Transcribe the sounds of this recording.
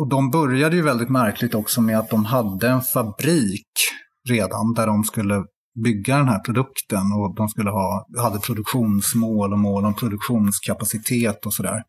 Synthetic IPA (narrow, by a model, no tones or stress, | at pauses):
ɔd̪ɔmbœɾjad̪əjɵvɛld̪ɪt̪mæɾkʰlɪɡ̚t̪ɔksɔmɛat̪̚d̪ɔmɦad̪ːəɛnfabɾiːk | ɾeːd̪and̪æɖɔmskɵlːə | bʏɡːad̪ɛnɦæːɾpʰɾʊd̪ɵkt̪ənɔd̪ɔmskɵlːəɦɑːhad̪ːəpʰɾʊd̪ɵkɧuːnsmoːlɔmoːlɔmpʰɾʊd̪ɵkɧuːnskʰapasɪt̪ʰeːt̪ɔsɔd̪æ̰ːɾ